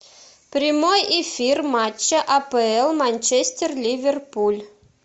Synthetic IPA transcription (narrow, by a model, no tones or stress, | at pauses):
prʲimojefʲirmat͡ɕːəʔɐpeɛlˠmanʲt͡ɕesʲt̪ʲerlʲivʲerpulʲ